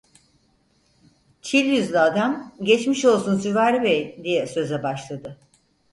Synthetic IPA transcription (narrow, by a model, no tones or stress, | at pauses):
t͡ʃʰilʲjyzlʲɛad̪æmɟɛt͡ʃmiʃo̞lˠsunsyvæɾlʲibejd̪ijɛsø̞zɛbaʃlˠad̪ɯ